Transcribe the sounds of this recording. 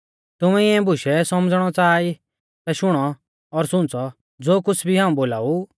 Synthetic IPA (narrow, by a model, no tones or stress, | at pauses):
t̪ʊmɛɪɛ̃bʱʊʃɛsɔmd͡zɽ̃ɔt͡saːi | t̪aʃʊɽ̃ɔ | ɔɾsʊ̃nt͡sɔ | d͡zoːkʊt͡sʰbʱiɦaːũboːlaːu